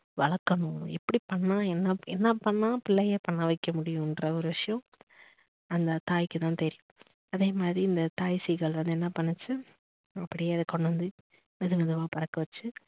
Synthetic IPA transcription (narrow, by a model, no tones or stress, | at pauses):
ʋɐɭɐkːɐɳʊ̃ɛpːɐɽipɐɳːãːɛnːɐɛnːɐpɐɳːãːpɪɭːɐjepɐɳːɐʋɐɪkːɐmʊɽɪjʊ̃ɪndɾɐɔɾɯʋɪʂɐjɐ̃ | ɐnd̪ɐt̪aːjkːɯt̪ãːt̪ɛɾɪjʊ̃ | ɐðeːmaːd̪ɾiɪnd̪ɐt̪aːjsiɣɐɭʋɐnd̪ɯɛnːɐpɐɳːɯt͡ʃːɯ | ɐpːɐɽɪjeːɐðɯkːɔɳːɐʋɐnd̪ɯ | ɛðɯʋɐðɯʋaːpɐɾɐkːɐʋɐt͡ʃːɯ